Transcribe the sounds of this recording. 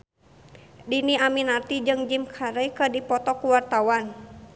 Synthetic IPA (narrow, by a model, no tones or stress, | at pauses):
diniaminart̪id͡ʒɨŋd͡ʒimkʰaɾekədipɔt̪ɔkuwart̪awan